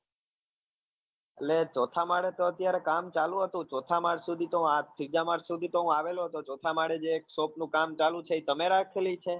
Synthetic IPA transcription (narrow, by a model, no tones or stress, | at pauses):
ellet͡ʃot̪ʰamaɽet̪oət̪jaɾekamt͡ʃalũɦət̪ũt͡ʃot̪ʰamaɾsud̪ʱit̪oɦũat̪pʰid͡ʒamaɾsud̪ʱit̪oɦũaʋeloɦət̪ot͡ʃot̪ʰamaɽed͡ʒeːksopnũkamt͡ʃalũt͡ʃʰeit̪əmeɾakʰelit͡ʃʰe